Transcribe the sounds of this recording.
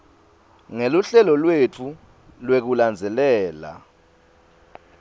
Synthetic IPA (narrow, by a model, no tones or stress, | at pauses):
ŋeluɬɛlɔlwet͡fʰu | lwek̬uland͡zʱɛlɛːla̰